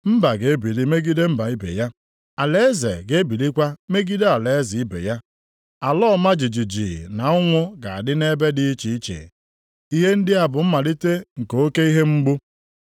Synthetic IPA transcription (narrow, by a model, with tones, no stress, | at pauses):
m̩˦ba˨ɡe˨˦e˦bi˨li˦me˦ɡi˦de˦m̩˦ba˨i˦bḛ˨ja˦ | a˨le˦e˦zḛ˨ɡe˦bi˨li˦kʷa˦me˦ɡi˦de˦a˨le˨e˦zɪ˨i˦bḛ˨ja˦ | a˨lɔː˦˨ma˦d͡ʒi˨d͡ʒi˨d͡ʒḭ˨na˨ʊ˦ŋʷʊ˦ɡa˨a̰˨dɪ˦ne˦be˦dɪ˦t͡ʃi˨i˦t͡ʃḛ˨ | i˦ɦe˦n̩˦dɪ˦a˨bʊ˨m̩˦ma˨li˦te˦ŋ̩˨ko˨o˦ke˦i˦ɦe˦ŋ͡m̩˦ɡ͡bu˦